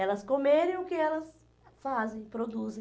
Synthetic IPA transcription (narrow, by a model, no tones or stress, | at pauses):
ɛlɐskomeɾẽj̃ʊkɪɛlɐs | fazẽj̃pɾod̪uzẽ